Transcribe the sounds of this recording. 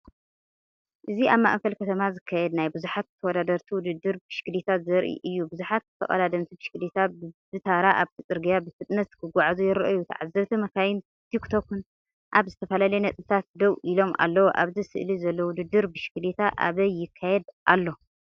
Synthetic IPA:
ʔɨziʔaβma̰ʔkɐlkʰɐt̪ʰɐmazɨkʰːajɛd̪najbɨzuħat̪t̪ʰːɐwɔd̪ad̪ɐɾt̪ʰiwʊd̪ɨd̪ːɨɾbɨʃɡɨlit̪ʰazɐɾʔḭʔɨjːubɨzuħat̪ːɨ̥t̪ʰɐ̰χʼɐ̰lad̪ɐmt̪ʰibɨʃɡɨlit̪ʰabɨzɨt̪ʰaɾaʔaβt̪ʰit͡sʼɨɾɡijabɨfɨt̪ʼnɐt̪kʰɨɡʷaʕzujɪɾɐʔjːut̪ʰʕazːɐβt̪ʰimɐkʰajɪn | t̪ʰikt̪ʰokun | ʔaβzɨt̪ʰɐfɐlaljnɐt͡sʼɨt̪ʰat̪̚d̪ɐwʔilo̞mʔa̰lːɐwoʔa̰βzisɨ̰ʔlizɐlːowʊd̪ɨd̪ːɨɾbɨʃɪ̥ɡɨlit̪ʰaʔa̰βɐjːɪkʰːajɛd̪ʔalːo̞

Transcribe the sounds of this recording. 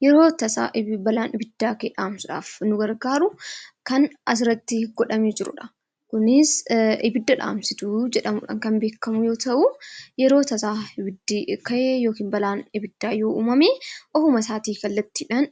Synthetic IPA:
jɛɾo̞ːt̪ɐsa̰ːʔbɐlaːnʔɪbɪd̪ːaːkeːᶑaːmsʊᶑa̰ːfnʊɡɐɾɡaːɾʊkɐnɐs̬ɪɾɐt̪ːɪɡɔᶑɐmeːd͡ʒɪɾʊ̰ᶑɐ̥ | kʊnɪsɪbɪd̪ːɐᶑa̰ːmsɪt̪ʊd͡ʒɛᶑɐmʊᶑɐ̰ŋkɐnbeːkːɐmʊjo̞ːt̪ɐʔujɛɾoːt̪ɐsaːɪbɪd̪ːikɐʔeːjo̞ːkiːnbɐlaːnɪbɪd̪ːaːjoːʔṵːmɐmeːʔɔfʊmɐsaːt̪iːkɐlːɐt̪ːiːᶑɐn

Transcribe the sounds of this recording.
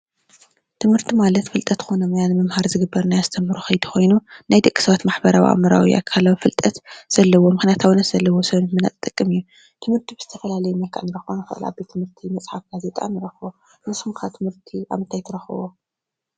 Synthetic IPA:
t̪ʰɨmhɨɾt̪ʰimalɐt̪fɨlt̪ʼɐt̪xonɐmɨjanɨmɐmhaɾzɨɡɨbːɐɾnajazɨt̪ʰɐmːɨɾuxɐjd̪u̥xo̞jnunajd̪ɨkʼːi̥sɐβat̪maħbɐɾawḭʔa̰mɐɾawḭʔa̰kʰːalawifɨlt̪ʼɐt̪z̥ɐlːɐwo̞mɨxnjat̪ʰawnɐt̪z̥ɐlːɐwosɐβnmɨnat̪ʼɨt̪ʼɨkʼːɨmijːu | t̪ʰɨmhɨɾt̪ʰibɨz̥ɨ̥t̪ʰɐfɐlalɐjumɐlkʰʼa̰ʕnɨɾɐxonɨxɨ̰ʔɨla̰bet̪ʰɨmhɨɾt̪ʰimɐt͡sʼħafɡ̥aze̞t̪ʼa̰nɨɾɐxwo | nɨsumkʰat̪ʰɨmhɨɾt̪ʰiʔa̰βɨnt̪ʰajt̪ʰɐɾɐxɨwo

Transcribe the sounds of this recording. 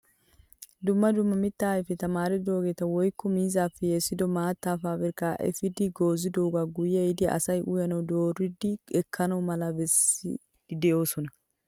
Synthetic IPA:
d̪ʊmːɐd̪ʊmːɐmɪt̪ːaːjfɛt̪ɐmaːɾɛd̪o̞ːɡet̪ɐwɔjkːɔmiːzaːfːɛjeːsːɪd̪ɔmaːt̪ːaːfaːbɛɾkːaʔɛ̰fɪd̪ɪɡo̞ːzɪd̪oːɡaɡʊjːɛɪd̪ɪɐ̰sɐjʔʊjɐnɐwd̪o̞ːɾɪd̪ɪɛkʰːɐnɐwmɐlɐbɛsɪ̰ | d̪ɛjo̞ːsɔnɐ

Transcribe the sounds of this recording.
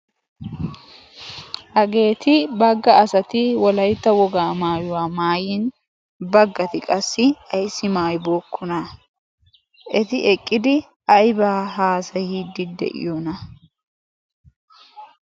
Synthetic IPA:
ʔɐɡe̞ːt̪ɪbɐɡːɐːsɐt̪ɪwɔlɐjt̪ːɐwɔɡaːmaːjʊwaːmaːjin | bɐɡːɐt̪ɪkʼɐsːɪɐjsːɪmaːjbo̞ːkːʊnɐ | ʔɛt̪ɪʔɛkʼːɪd̪ɪ | ɐjbaːɦaːsɐjiːd̪ːɪd̪ɛ̰ʔɪ̰joːnɐ

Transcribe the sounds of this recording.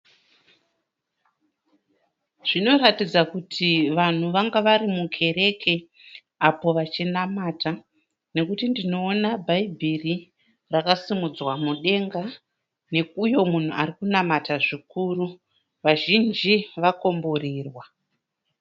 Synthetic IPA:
ʐ̥ino̞ratid͡zakutʰiʋan̤uʋaŋɡaʋaɾimukʰe̞ɾe̞kʰe̞ | apo̞ʋat͡ʃinamaːta | ne̞kutindino̞ːnabʱaibʱiri | rakasimud͡zwamuɗe̞ŋɡa | ne̞kujo̞mun̤uarikunamataʐikuru | ʋaʒind͡ʒiʋako̞mboriːrwa

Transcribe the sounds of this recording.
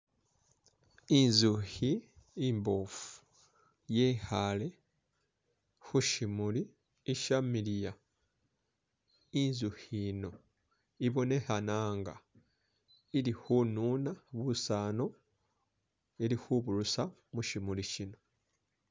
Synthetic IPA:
inzuhiːmbofu̥ | jeːhale̞ | xuʃimuli | eʃamilija | inzuhino̞ | iβo̞ne̞hanaːŋɡa̰ | ilixunuːnaβusaːno̞ | eɾixuβulusamuʃimuliʃino̞

